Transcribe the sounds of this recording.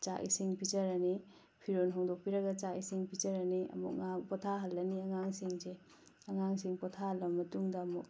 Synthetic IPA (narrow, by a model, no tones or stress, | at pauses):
t͡ʃa̰ʔḭsiŋpid͡ʒɐɾɐni | pʰiɾonɦɔŋdok̚piɾɐɡɐt͡ʃaisiŋpʰizɐɾɐniɐ̰mṵk̚ŋapɔtʰaɦɐlːɐniɐŋaŋsiŋze | ɐŋaŋsiŋpɔtʰaɦɐlːɐmːɐtuŋdɐːmuk̚